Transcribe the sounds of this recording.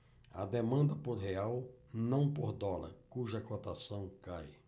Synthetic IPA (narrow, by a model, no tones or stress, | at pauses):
ɐ̰d̪emɐ̃nd̪ɐpoɾɦeawnɐ̃w̃poɾd̪ɔlɐ̰ɾkuʒɐkot̪asɐ̃w̃kaj